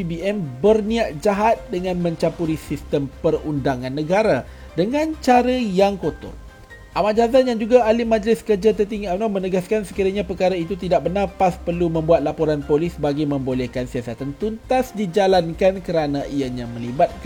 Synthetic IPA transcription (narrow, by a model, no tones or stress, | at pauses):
ibiɛmbərniaʔd͡ʒaɦat̪̚dəŋãnmə̃ɲt͡ʃapuɾisist̪əmpərundaŋãnːəɡaɾa | dəŋãnt͡ʃaɾajaŋkot̪ɔ̰t̪̚ | ʔamad͡ʒazanjaŋd͡ʒuɡaalimad͡ʒəlɪskərd͡ʒat̪̬ərt̪iŋiamnɔmənəɡaskansəkiɾaɲapəkaɾait̪ut̪idak̚bərnarpaspərlumə̃mbuat̪̚lapoɾanpolisbaɡamə̃mbolɛhkansiasat̪ant̪unt̪asdid͡ʒalankankəɾanaʔijaɲamə̃libat̪̚k